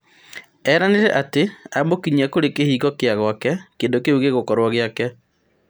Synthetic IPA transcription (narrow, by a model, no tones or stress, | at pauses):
ɛɾaneɾɛʔateamokiɲakoɾekehiːɣɔkeaɣwakɛkeːndokeuɣeɣokɔɾwɔɣeakɛ